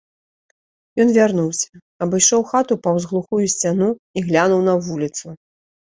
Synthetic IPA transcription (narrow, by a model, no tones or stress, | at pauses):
jɔn̪vʲarnuwsʲɐ̥ | ɐbɨjʂɔwxat̪upɐwzɣlˠuxujusʲt͡sʲanuiɣlʲanuwn̪ɐvulʲit̪su